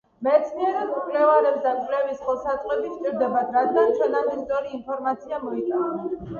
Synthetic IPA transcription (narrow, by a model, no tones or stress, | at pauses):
mɛt̪sʰniɛɾɛukʼlɛvaɾɛbsd̪ank̪ʼlɛvisχɔsat̪ʼwɛt̪ʼit͡ʃʼiɾd̪ɛbad̪ɾad̪ɡant͡ʃʰɛnamisʼɔɾiːnpʰɔɾmat̪sʰiamɔit̪ʼanɛ